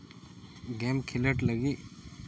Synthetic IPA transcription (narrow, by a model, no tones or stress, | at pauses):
ɡeːmkʰiləʈləɡi